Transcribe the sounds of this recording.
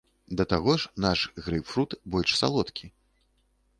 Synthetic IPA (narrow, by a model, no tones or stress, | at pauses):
d̪ɐt̪aɣɔʂnaʂɣɾɨwfɾut̪bɔlʲʂsa̰lˠɔt̪kʲʰi